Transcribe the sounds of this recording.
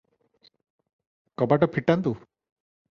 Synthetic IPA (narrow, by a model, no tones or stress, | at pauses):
kɔbaʈɔpʰiʈant̪u